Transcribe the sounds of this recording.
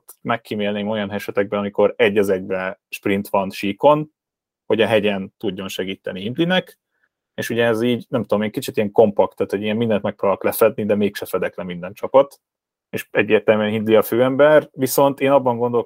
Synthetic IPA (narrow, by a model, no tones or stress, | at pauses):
t̪mɛkːimeːlneːmo̞jɒnɦɛʃɛt̪ɛɡ̚bɛnɒmiko̞ɾɛɟːɒzɛɟbɛʃprint̪ʋɒnʃiːko̞n | ho̞ɟɒɦɛɟɛnt̪uɟːo̞nʃɛɡiːt̪ɛnihind̪linɛk | eːʃuɟɛːziːɟnɛmt̪ud̪o̞meːŋkit͡ʃit̪ijɛŋko̞mpɒk̚t̪ːaːt̪ho̞ɟijɛmmind̪ɛnt̪mɛk̚pɾobɒlklɛfɛd̪nid̪ɛmeːkʃɛfɛd̪ɛklɛmind̪ɛnt͡ʃɒpɒt̪ | eʃɛɟːeːrt̪ɛlmyɛnɦind̪liɒføːɛmbɛrʋiso̞nt̪eːnɒbːɒŋɡo̞nd̪o̞l